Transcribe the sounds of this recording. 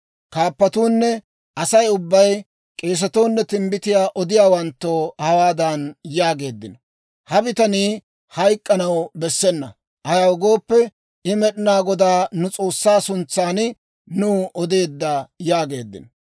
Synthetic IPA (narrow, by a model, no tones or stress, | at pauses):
kaːpːɐt̪uːnːɛ | ʔɐsɐjʊbːɐj | kʼe̞ːs̬ɐt̪oːnːɛt̪ɪmbɪt̪ɪjaːʔɔd̪ɪjaːwɐnt̪ːoːhɐwaːd̪ɐnjaːɡe̞ːd̪ːɪnɔ̥ | hɐbɪt̪ɐniː | hɐjkʼːɐnɐwbɛsːɛnːɐ̰ | ʔɐjawʊɡo̞ːpːɛ | ʔɪmɛɗɪnaːɡɔd̪aːnʊt͡sʼo̞ːsːaːsʊnt͡sːaːnɪ | nuːʔɔd̪e̞ːd̪ːɐjaːɡe̞ːd̪ːɪ̰nɔ